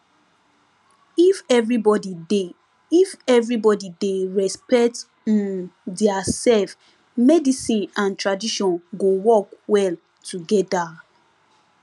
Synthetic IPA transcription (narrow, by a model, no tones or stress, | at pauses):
ifɛvɹibɔdide | ifɛvɹibɔdideɹɛspɛt | ĩndɛasɛlf | mɛdisĩnãntɹadiʃɔ̃nɡowɔkwɛl | tʰuɡɛda